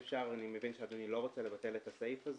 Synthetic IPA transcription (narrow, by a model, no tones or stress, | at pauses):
fʃaʁanime̞vinʃead̪onilo̞ʁo̞t͡sale̞vate̞letasejfaz